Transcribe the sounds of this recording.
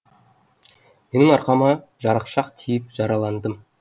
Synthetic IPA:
menɪŋɑɾqɑmɑ | ʒɑɾəqʃɑqt̪ʰijɪp̚ʒ̥ɑɾɑlˠɑnd̪əm

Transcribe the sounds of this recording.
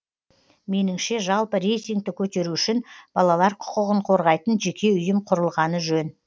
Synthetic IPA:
me̞nɪŋʃe̞ʒɑlˠpəɾe̞jt̪ijŋk̚t̪ɪkʲʰɵt̪e̞ɾuʏʃɪnb̥ɑlˠɑlˠɑɾqʰʊ̥qəʁəɴqʰo̞ɾʁɑjt̪ənʒe̞kʲe̞ʏjɪmqʰʊɾəlˠʁɑnəʒɵn

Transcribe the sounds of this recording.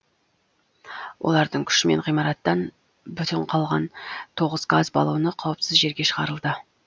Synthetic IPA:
wʔo̞̰lˠɑɾd̪əɴkʲʰʏ̥ʃɪme̞ɴʁijmɑɾɑt̪ːɑn | bʏt̪ɪɴqʰɑlˠʁɑnt̪ʰo̞ʁəzɡazbɑ̰lˠuwənəqʰɑwəpsɪzʒe̞ɾɡʲe̞ʃəʁɑɾəlˠd̪ə

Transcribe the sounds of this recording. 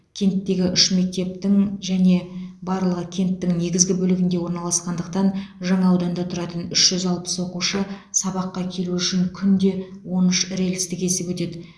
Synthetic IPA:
kʲʰe̞nt̪ːe̞ɡʲɪʔʏʃme̞k̚t̪e̞p̚t̪ɪŋʒæne̞bɑɾlˠəʁəkʲʰe̞nt̪ːɪŋne̞ɡʲɪzɡʲɪbɵlɪɡʲɪnd̪e̞wo̞ɾnɑlˠɑsqɑnd̪əqt̪ɑnʒɑɴɑːwd̪ɑnd̪ɑt̪ʰʊɾɑt̪ənʏʃʒ̥ʏzɑlˠpə̥swo̞quʃəsɑbɑqːɑkʲʰe̞luʏʃɪŋkʲʰʏnd̪e̞wo̞nʏʃɾe̞lst̪ɪke̞se̞pwɵt̪e̞d̪ɪ

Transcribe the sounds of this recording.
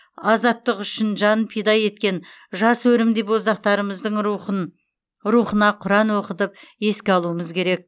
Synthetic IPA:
ɑzɑt̪ːəqʏʃɪnʒɑnpʰijd̪ɑje̞t̪̚kʲe̞nʒɑswɵɾɪmd̪epwozɑqt̪ɑɾəməzd̪əɴ | ɾuχənɑqʰʊɾɑnwo̞qət̪əp̚e̞skʲeɑlˠuəməzkʲʰe̞ɾe̞k̚

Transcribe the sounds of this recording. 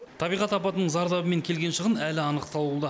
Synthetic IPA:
t̪ʰɑbijʁɑt̪ɑpɑt̪ənəɴzɑɾd̪ɑbəme̞ŋkʲʰe̞lɡʲe̞nʃəʁənælɪɑnəqt̪ɑlˠulˠd̪ə

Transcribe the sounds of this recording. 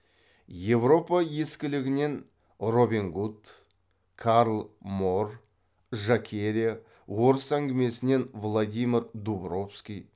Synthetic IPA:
je̞vɾo̞pɑje̞skʲɪlɪɡʲɪne̞n | ro̞beŋɡut̪ | kʰaɾlˠmo̞r | ʒakʲʰe̞ɾʲija | wo̞ɾəsæŋɡʲɪme̞sɪne̞nvlˠad̪ʲijmʲɪɾd̪ubro̞fskʲij

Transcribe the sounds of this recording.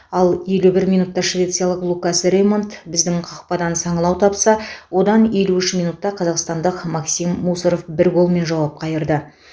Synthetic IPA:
ɑlˠje̞lubɪɾmijnut̪ːɑʃvʲe̞t̪sɨjɑlˠəqlˠukasəɾemont̪bɪzd̪ɪŋqʰɑqpɑd̪ɑnsɑɴəlˠɑwt̪ʰɑpsɑwo̞d̪ɑnje̞luɪʃmijnut̪ːɑqʰɑzɑqst̪ɑnd̪əqmɑksimːusəɾofbɪɾɡo̞lˠme̞nʒɑwɑp̚qʰɑjəɾd̪ə

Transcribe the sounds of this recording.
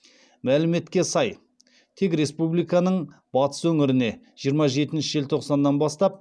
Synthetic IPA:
mælɪme̞t̪kʲe̞sɑj | t̪ʰe̞kɾe̞spublijkɑnəɴ | b̥ɑt̪ə̥swɵŋɪɾɪne̞ | ʒ̥ijəɾmɑʒe̞t̪ɪnʃɪʒe̞lt̪ʰo̞qsɑnːɑnbɑst̪ɑp̚

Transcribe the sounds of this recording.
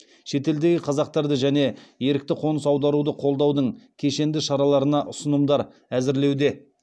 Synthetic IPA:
ʃe̞t̪e̞ld̪e̞ɡʲɪqʰɑzɑq̚t̪ɑɾd̪əʒæne̞je̞ɾɪk̚t̪ɪqʰo̞nəsɑwd̪ɑɾud̪əqʰo̞lˠd̪ɑwd̪əɴkʲʰe̞ʃe̞nd̪ɪʃɑɾɑlˠɑɾənɑʔʊsənəmd̪ɑɾ | æzɪɾle̞wd̪e̞

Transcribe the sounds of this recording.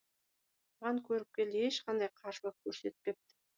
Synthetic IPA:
ʁɑŋkʲʰɵɾɪp̚kʲe̞ld̪ɪeʃqʰɑnd̪ɑjqʰɑʃlˠəq̚kʲʰɵɾse̞t̪ɪ̥p̚kʲep̚t̪ɪ̥

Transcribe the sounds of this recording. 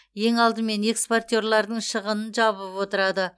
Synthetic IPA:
je̞ŋɑlˠd̪əme̞ne̞kspo̞rt̪ʲo̞rlˠɑɾd̪əɴʃəʁənənʒɑβəpwo̞t̪əɾɑd̪ə

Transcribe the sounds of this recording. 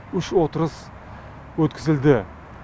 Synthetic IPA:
ʏʃwot̪əɾəs | wɵt̪kʲɪzɪld̪ɪ

